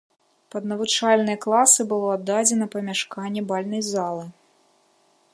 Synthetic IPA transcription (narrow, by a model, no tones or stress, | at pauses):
pɐd̪nɐvut͡ʂalʲnɐjɐklˠasɨbɨlˠɔad̪ːad͡zʲɛnɐpɐmʲaʂkanʲːɛbalʲnɐjzalˠɨ